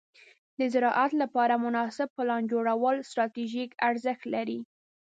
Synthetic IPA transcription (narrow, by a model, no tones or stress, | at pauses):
d̪əzɪɾɑʔat̪lapɑɾamʊnɑsɪb̚pəlɑnd͡ʒoɽawəlst̪ɾɑt̪iʒikaɾzəxt̪laɾi